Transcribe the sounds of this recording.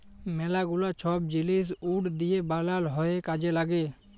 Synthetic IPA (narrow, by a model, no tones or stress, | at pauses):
mɛːlaɡʊlat͡ʃʰɔːb̚d͡ʒɪliːs̬uːɽd̪ɪjeːbaːlaːlɦɔeːkaːd͡ʒelaːɡeː